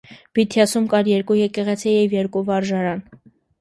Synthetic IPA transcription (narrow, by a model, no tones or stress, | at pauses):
b̥it̪ʰjɑsumkɑɾjɛɾkujɛkɛʁɛt͡sʰɛjɛvjɛɾkuvɑɾʒɑɾɑn